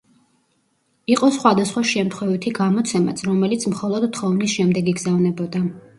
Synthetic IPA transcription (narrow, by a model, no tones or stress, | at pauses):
iqʼɔsχwad̪asχwaʃɛmt̪ʰχwɛvit̪ʰiɡamɔt̪sʰɛma̰t̪sʰɾɔmɛlit̪sʰmχɔlˠɔd̪t̪ːχɔvnisʃɛmd̪ɛɡiɡzavnɛbɔd̪a